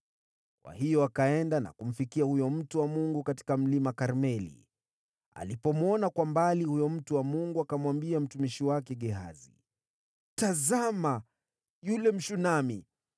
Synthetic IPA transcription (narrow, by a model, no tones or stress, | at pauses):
kwa̰hijɔakaɛndana̰kum̩fikiahujɔm̩tuwamuŋɡukati̥kam̩limakaɾmɛlḭ | a̰lipɔmwɔnakwambalihujɔm̩tuwamuŋɡuakamwambiam̩tumiʃiwakɛɠɛɦa̰zḭ | tazama | julɛm̩ʃunami